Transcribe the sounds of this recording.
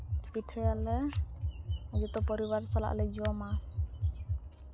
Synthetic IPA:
piʈʰɛjalɛ | ɔd͡ʒɔt̪ɔpɔɾiwaɾsala̰ʔlɛd͡ʒuwama

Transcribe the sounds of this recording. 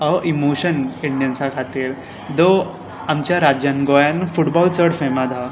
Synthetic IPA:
əʔimoɕəniɳɖijənsakʰat̪iːɾ | d̪o | amt͡ɕjaɾad͡ʑjanɡojanfuʈbɔlt͡səɽfemad̪ʱa

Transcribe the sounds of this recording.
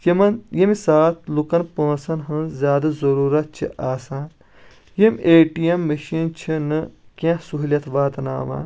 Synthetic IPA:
jimɐnjimisaːt̪̚ʰlukɐnpõːsɐnɦɨzʲaːd̪ɐzɐɾuːɾɐt̪̚t͡ʃʰḭʔaːsaːn | jimʲeːʈijemːɐʃiːnt͡ʃʰinɨkʲẽsuɦlʲjɐt̪ʰʋaːt̪na̰ːʋa̰ːn

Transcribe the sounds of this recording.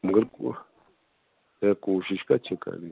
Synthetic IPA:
mɡəɾku | eakuʃiʃkat͡ʃeka̰li

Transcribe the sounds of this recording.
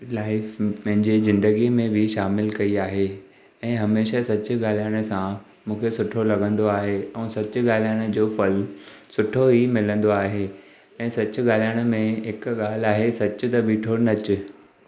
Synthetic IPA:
laːɪfpɐ̃ɦɪ̃ɲd͡ʑezɪ̃nd̪əɡimẽbʱɪʃaːmɪlkɐiaːɦe | ɛ̃ːɦɐmeːʃasɐt͡ɕʊ̆ɠaːl̤ijaːɽ̃ə̆sã | mũːkʰesʊʈʰolɐɠə̃nd̪oaːɦeɛ̃ːsɐt͡ɕʊ̆ɠaːl̤ijaːɽ̃əd͡ʑoːfɐlsʊʈʰoɦimɪlə̃nd̪oaːɦeː | ɛ̃ːsɐt͡ɕʊ̆ɠaːl̤ijaːɽ̃ə̆mẽɦɪkɠaːl̤aːɦesɐt͡ɕʊ̆t̪ɐbiːʈʰonɐt͡ɕʊ̆

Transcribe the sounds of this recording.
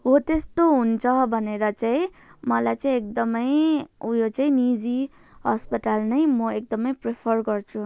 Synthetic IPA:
ɦot̪est̪oɦunt͡sʰʌbʱʌneɾʌt͡saĩ | mʌlajt͡saĩek̚d̪ʌmʌjujot͡saĩnid͡zi | ɦʌspʌʈalnʌjmʌek̚d̪ʌmʌjprepʰʌrɡʌrt͡sʰu

